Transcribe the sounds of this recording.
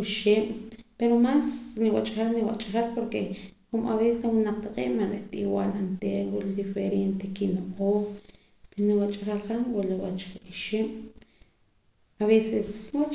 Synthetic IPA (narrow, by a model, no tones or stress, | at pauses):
iʃeːmpeɾomasniwat͡ʃʼaχalniwa̰ʔt͡ʃʼaχalpoɾkexuma̰βessnawunaq͡χ̚t̪aqʼḭːʔmanɾeʔt̪ʼḭwaːlant̪eɾwuʔlid̪ifeɾent̪ekinoqoː | peɾoniwat͡ʃʼaχalχanwuʔliwat͡ʃiiʃeːm | aβeseswat͡ʃ